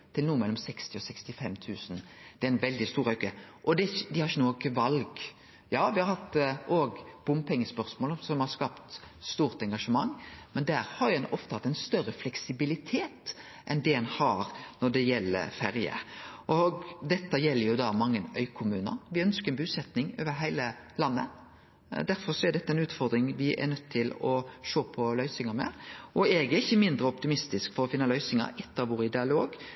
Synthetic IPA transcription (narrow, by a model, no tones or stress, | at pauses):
t̪ʰɪlnuːəmɛlːɔmsɛkst̪ɪɔsɛkst̪ɪfɛmt̪ʰʉːsnd̪̥ɛæɾɛnʋɛld̪ɪst̪uːɾœʏkəʔɔd̪ɛd̪ɪhɑɾçənuːɪkəʋɑlɡ | jɑːʋɪhɑɾhɑt̪ːʔoːɡb̥ʊmpʰɛŋːəspœɾsmoːlsɔmhɑɾskɑːpt̪st̪uːʁt̪ɛŋɡɑʂəmɑŋːmɛnd̪æːɾhɑɾjɛnɔft̪əhɑt̪ːɛɪnst̪œɾəflɛksɪbɪlɪt̪ʰeːt̪ | ʔɛnd̪ɛɛnhɑːɾnɔɖɛjɛlːə̰ɾfæɾjə̰ʔɔɡd̪ɛt̪ːəjɛlːəɾjʊd̪ɑːmɑŋːənœʏkʰʊmʉːnə̰ɾʋɪœnskəɾɛnbʉːsɛt̪nɪŋo̰ːʋəɦæɪləlɑnːə̰ | d̪æɾfɔɾʂɔɛɖ̪ɛt̪ːəæɪnʉːt̪fɔɾd̪ɾɪŋʋɪʔæ̰nœt̪ːʰɪlɔʃoːpʰɔlœʏsɪŋəmɛ̰ʔɔɛɡɛɾɪçːəmɪnd̪ɾəɔpt̪ɪmɪst̪ɪskfɔɾɔfɪnːəlœʏsɪŋə̰ɾʔɛt̪ːəʋoːɾɪd̪ɪɑloːɡ